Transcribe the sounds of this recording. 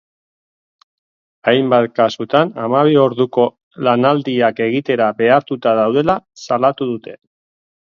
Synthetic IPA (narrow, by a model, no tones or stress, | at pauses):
ajmbat̪kasut̪anamaβ̞io̞ɾðuko̞ | lanald̪iake̞ɣit̪e̞ɾabe̞aɾt̪ut̪aðawðe̞lasalat̪uðut̪e̞